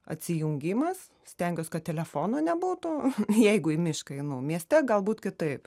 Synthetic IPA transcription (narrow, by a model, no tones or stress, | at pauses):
ɐ̰t̪ʲsʲɪjʊŋʲɡʲiːmɐs | sʲt̪ʲɛŋʲɡʲoːskɐt̪̚ʲtʲɛlʲɛfoːnoːnʲɛbuːt̪ʊjɛɪɡʊimʲɪʃkɐɪnumʲiɛsʲt̪ʲɛɡɐlˠbuːt̪kʲɪt̪ɐɪp